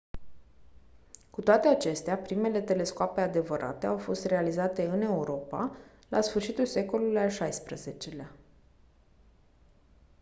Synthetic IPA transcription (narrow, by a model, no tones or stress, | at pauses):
kut̪oat̪e̞at͡ʃe̞st̪eapɾime̞le̞t̪e̞le̞skoape̞ad̪e̞vəɾʔa̰t̪e̞awfo̞st̪re̞alizat̪e̞ɨne̞uɾʔo̞pa̰ | lasfɨrʃit̪ulse̞ko̞lulujalʃajspɾəze̞t͡ʃe̞lea